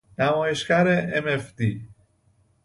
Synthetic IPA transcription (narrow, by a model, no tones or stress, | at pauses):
næmɔːjeʃkæɾeemefd̪i